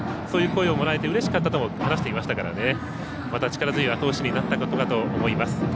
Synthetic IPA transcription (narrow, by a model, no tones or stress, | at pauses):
so̞ːjɯ̟ːko̞eomo̞ɾae̞t̪e̞ɯ̟ɾe̞ɕi̥kat̪ːat̪o̞mohanaɕi̥t̪e̞imaɕi̥t̪akaɾa̰ne̞ | mat̪at͡ɕi̥kaɾazɨɲʲiβat̪o̞ːɕiɲ̟inat̪ːako̞t̪o̞kat̪o̞ːmo̞imasɨ̥